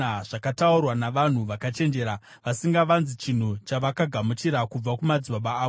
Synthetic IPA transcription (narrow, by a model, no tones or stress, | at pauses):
aʐ̥akataurwanaʋan̤uʋakat͡ʃe̞nd͡ʒe̞ːɾa | ʋasiŋɡaʋanzit͡ʃin̤ut͡ʃaʋakaɡʱamut͡ʃiɾakub͡vakumad͡ziɓaɓaː